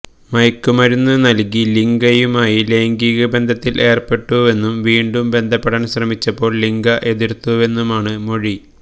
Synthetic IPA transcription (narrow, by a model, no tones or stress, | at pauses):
mɐjkːumɐɾunːɨnɐlkiliŋɡɐjumaːjile̞ːŋɡiɣɐbe̞nd̪ʱɐt̪ːilʔe̞ːrpe̞ʈːuʋe̞nːumʋiːɳɖumbe̞nd̪ʱɐpːeɽɐnɕrɐmit͡ɕːɐpːo̞ːɭliŋɡɐʔe̞ðiɾt̪ːuʋe̞nːumaːɳɨmo̞ɻi